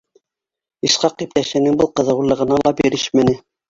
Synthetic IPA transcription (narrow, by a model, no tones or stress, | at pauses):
iʃqɑqːip̚t̪æʃɘ̆nɘŋbɤlˠqɤ̆ðɤ̆wlˠɤ̆ʁɤ̆nɑlˠɑbiɾɘʃmɘ̆nɘ